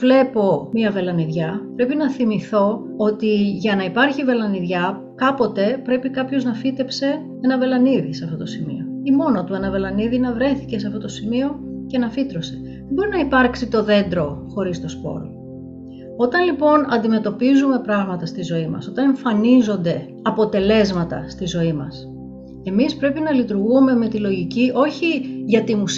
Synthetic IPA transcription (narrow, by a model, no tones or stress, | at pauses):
vle̞po̞miɐve̞lɐniðʝɐpɾe̞pinɐθimiθo̞ | ot̪iʝɐnɐipɐɾçive̞lɐniðʝɐ | kɐpo̞t̪e̞pɾe̞pikɐpço̞znɐfit̪e̞pse̞ | e̞nɐve̞lɐniðiseɐft̪o̞t̪o̞simḭo̞imo̞not̪ue̞nɐve̞lɐniðinɐvɾe̞θice̞seɐft̪ot̪o̞simio̞ce̞nɐfit̪ɾo̞se̞̥ | ðebo̞ɾinɐipɐɾksit̪o̞ðe̞nd̪ɾo̞xo̞ɾist̪o̞spo̞̰l | o̞t̪ɐnlipo̞nɐ̰nd̪ime̞t̪o̞pizume̞pɾɐɣmɐt̪ɐst̪izo̞imɐ̰so̞t̪ɐne̞ɱfɐnizo̞nd̪e̞ | ɐpo̞t̪e̞le̞zmɐt̪ɐ̰st̪izo̞imɐs | e̞mispɾe̞pinɐlit̪uɾɣume̞me̞t̪ilo̞ʝiciʔo̞çiʝɐt̪imus